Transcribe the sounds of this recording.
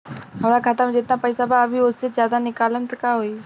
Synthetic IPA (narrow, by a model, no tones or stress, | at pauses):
ɦɐmɾakʰaːt̪amẽd͡ʒɪt̪napɐɪsabaːbʱiʊsezjaːd̪anɪkaːləmt̪əkaɦoiː